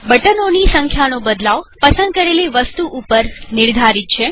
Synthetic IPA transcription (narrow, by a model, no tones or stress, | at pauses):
bəʈənonisəŋkʰjanobəd̪laʋpəsənd̪̚kəɾeliʋəst̪uʔupəɾnɪɾd̪ʱaɾit̪̚t͡ʃʰe